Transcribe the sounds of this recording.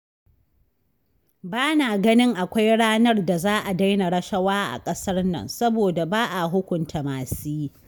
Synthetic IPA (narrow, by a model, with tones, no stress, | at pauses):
baː˦naː˨ɡɐ˦nɪ˦ŋʔa˨kʷa˦jɽaː˦nɐ˦rda˨zaː˦ʔa˨da˦jna˨ɽɐ˦ʃɐ˦waː˦ʔa̰˨kʼɐ˦sɐ˦rnɐ̰˨nsɐ˦boː˨da˨baː˦ʔa˨ɦʊ˦kʷʊ˨ntʰa˨maː˨siː˦